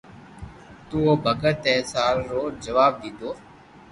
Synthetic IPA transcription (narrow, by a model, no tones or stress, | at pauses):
t̪uːoːbʱəɡət̪ɛːsaːlːoːd͡ʒəʋaːb̚d̪iːd̪oː